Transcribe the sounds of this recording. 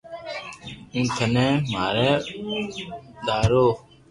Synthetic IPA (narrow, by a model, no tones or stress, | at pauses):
ĩːt̪ʰənẽːmaːɾɛː | d̪aːɾoː